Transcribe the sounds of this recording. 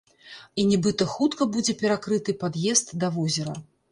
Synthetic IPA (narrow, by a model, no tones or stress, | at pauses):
inʲɛbɨt̪ɐxut̪kɐbud͡zʲɛpʲɛɾakɾɨt̪ɨpad̪jɛst̪d̪ɐvɔzʲɛɾɐ̰